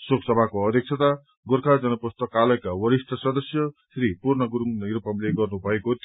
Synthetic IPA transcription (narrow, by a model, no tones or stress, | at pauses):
soksʌbʱakoʌd̪ʱjʌk̚t͡sʰʌt̪a | ɡoɾkʰad͡zʌnʌpust̪ʌkːalʌjkawʌɾisʈ̪ʌsʌd̪ʌsjʌsɾipurnʌɡuɾuŋɾupamleɡʌrnubʱʌekot̪